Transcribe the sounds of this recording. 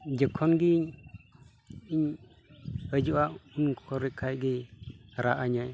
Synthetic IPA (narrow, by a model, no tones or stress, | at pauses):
d͡ʒəkʰɔnɡiɲ | iɲ | əd͡ʒuwaunkʰɔɾikʰajɡiɾaʔaɲaj